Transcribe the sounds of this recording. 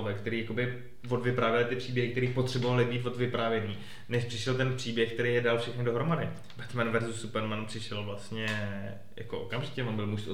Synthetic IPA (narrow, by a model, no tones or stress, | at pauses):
vɛkt̪ɛɾiːjakobɪ | vo̞dvɪpɾaːvjɛlɪt̪ɪpr̥iːbjɛɦɪkt̪ɛɾiːpo̞t̪r̥ɛbovalɪbiːt̪vo̞dvɪpɾaːvjɛniː | nɛʃpr̥ɪʃɛlt̪ɛnpr̥iːbjɛxk̚t̪ɛɾeːjɛdalfʃɛxnɪdo̞ɦɾo̞madɪ | bɛt̪manvɛɾzusːupɛɾmanpr̥ɪʃɛlvlast̪ɲɛ | ja̰koʔo̰kamʒɪcɛmonbɪlmuʃ